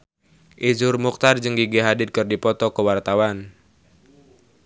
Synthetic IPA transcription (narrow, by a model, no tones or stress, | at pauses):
ʔid͡ʒʊrmuk̚t̪ard͡ʒɨŋɡiɡeɦadɪd̪̚kɨrdipɔt̪ɔkəwart̪awan